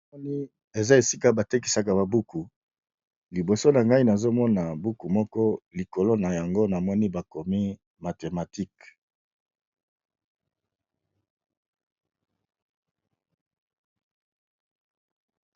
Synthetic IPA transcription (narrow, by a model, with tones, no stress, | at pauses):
ɔ˦ni˦ | e˨za˦e˨si˦ka˦ba˨te˦k̬i˨sa˨ka˨ba˨bu˦ku˨ | li˨bo˨so˦na˨ŋɡa˦i˦na˨zo˦mɔ˦na˨bu˦ku˨mɔ˦kɔ˦li˨ko˨lo˦na˨ja˨ŋɡo˦na˨mɔ˦ni˦ba˨ko˨mi˦ | ma˨te˨ma˨ti˦k